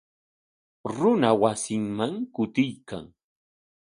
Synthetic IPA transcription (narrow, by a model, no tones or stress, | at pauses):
ɾʊnawasɪŋmaŋkʊt̪ɪjka̰ŋ